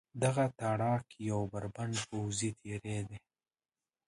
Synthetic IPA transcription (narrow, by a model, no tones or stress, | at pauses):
d̪aɣat̪aɽɑkjawbaɾbanpowzit̪ʰeɾed̪e